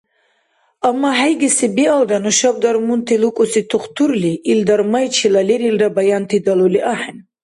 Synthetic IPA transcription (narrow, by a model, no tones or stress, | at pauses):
amːaɦajɡɛsibiald̪anuʃab̚d̪aɾmunt̪ʰilukʼusit̪ʰuχt̪ʰuɾliʔːld̪aɾmajt͡ʃʰilalɛɾildabajant̪ʰid̪aluliʔaħɛn